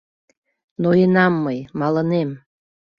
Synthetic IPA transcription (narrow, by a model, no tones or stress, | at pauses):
nojenɑmːəjmɑlənem